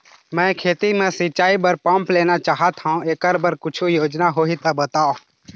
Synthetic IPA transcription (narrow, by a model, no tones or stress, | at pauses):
mɛ̃ːkʰeːt̪imẽsɪt͡ʃaːibəɾpə̃mpleːnat͡ʃaːɦət̪ɦaũeːkəɾbəɾkʊt͡ʃʰujoːd͡ʒnaɦoːit̪ɐbət̪aːõ